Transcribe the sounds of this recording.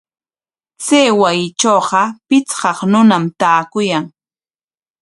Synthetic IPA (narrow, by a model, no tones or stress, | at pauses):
seːwajɪt͡ʃoːɢɑpɪt͡sɢɑχnʊnamt̪aːkʊjaŋ